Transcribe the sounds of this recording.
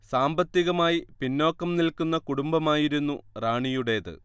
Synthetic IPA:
saːmbɐt̪ːiɣɐmaːjipinːo̞ːkːɐmnilkːunːɐkuɽumbɐmaːjiɾunːuraːɳijuɽe̞ðɨ̰

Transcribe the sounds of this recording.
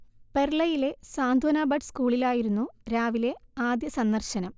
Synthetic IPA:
pe̞ɾɭɐjile̞saːnd̪ʱwoːnaːbɐʈskuːɭilaːjiɾunːuɾaːʋile̞aːd̪jɐsɐnːɐrɕɐnɐm

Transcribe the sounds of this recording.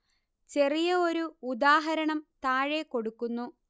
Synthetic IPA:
t͡ɕe̞rijɐo̞ɾuud̪aːɦɐɾɐɳɐmt̪aːɻeko̞ɽukːunːu

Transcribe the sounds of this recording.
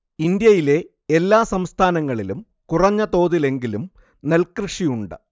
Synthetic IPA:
ind̪jɐjile̞ | elːaːsɐmst̪ʰaːnɐŋːɐɭilum | kurɐɲːɐt̪o̞ːðile̞ŋɡilum | nelkrɨʂijuɳɖɨ

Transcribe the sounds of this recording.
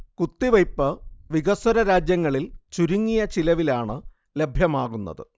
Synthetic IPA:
kut̪ːiʋɐjpːɨʋiɣɐswɐɾɐɾaːd͡ʑjɐŋːɐɭilt͡ɕuɾuŋːijɐt͡ɕilɐʋilaːɳɨ | le̞bʱjɐmaːɣunːɐ̰ðɨ̰

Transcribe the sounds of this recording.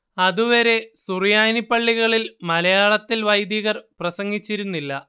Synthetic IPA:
ɐðuʋɐɾe̞surijaːjnipːɐɭːiɣɐɭilmɐlɐjaːɭɐt̪ːilʋɐjd̪jɐɣɐrprɐsɐŋɡit͡ɕːiɾunːilːɐ

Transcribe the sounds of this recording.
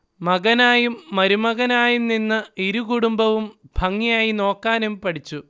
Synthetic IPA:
mɐɣɐnaːjumːɐɾumɐɣɐnaːjumninːɨiɾukuɽumbɐʋumb̥ʱɐŋːijaːjino̞ːkːaːnumpɐɽit͡ɕːu

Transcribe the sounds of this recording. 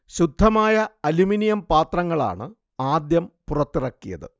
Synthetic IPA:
ɕud̪ʱːɐmaːjɐɐluminijɐmpaːt̪rɐŋːɐɭa̰ːɳɨ | aːd̪jɐmpurɐt̪ːirɐkːijɐ̰ðɨ̰

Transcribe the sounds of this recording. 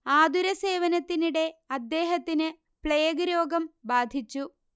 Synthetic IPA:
aːd̪ʱuɾɐse̞ːʋɐnɐt̪ːiniɽe̞ɐd̪ːe̞ːɦɐt̪ːinɨ | pɭeːɡɐɾo̞ːɡɐmbaːd̪ʱit͡ɕːu

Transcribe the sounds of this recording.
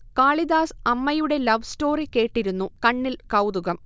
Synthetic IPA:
kaːɭid̪aːsɐmːɐjuɽe̞lɐʋsto̞ːrike̞ːʈːiɾunːukɐɳːilkɐwd̪uɣɐm

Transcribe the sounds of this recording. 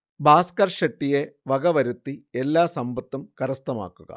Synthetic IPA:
bʱaːskɐrʂeʈːije̞ʋɐɡɐʋɐɾut̪ːielːaːsɐmbɐt̪ːumkɐɾɐst̪ɐma̰ːkːuɣɐ̰

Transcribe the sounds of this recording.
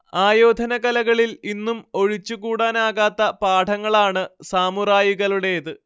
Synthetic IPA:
aːjo̞ːd̪ʱɐnɐɣɐlɐɣɐɭilinːumo̞ɻit͡ɕːuɣuːɽaːnaːɣaːt̪ːɐpaːʈʰɐŋːɐɭaːɳɨsaːmuraːjiɣɐluɽe̞ɐðɨ

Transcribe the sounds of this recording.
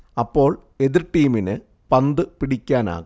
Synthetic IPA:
ɐpːo̞ːɭ | e̞ðiɾʈiːminɨ | pɐnd̪ɨpiɽikʲːaːna̰ːɣ

